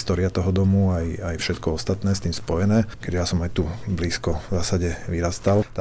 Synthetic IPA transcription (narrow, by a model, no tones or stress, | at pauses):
st̪ɔːɾɪat̪ɔɦɔd̪ɔmuajajfʃɛt̪kɔɔst̪at̪nɛːst̪iːmspɔjɛnɛːkɛd͡ʒɛjasɔmajt̪ubliːskɔvzaːsaɟɛʋiɾast̪alt̪